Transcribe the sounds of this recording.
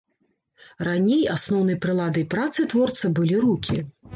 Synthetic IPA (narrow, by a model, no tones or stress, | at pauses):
ranʲejasnɔwn̪ɐjpɾɨlˠad̪ɨjpɾat̪sɨt̪vɔrt̪sɨbɨlʲiɾukʲi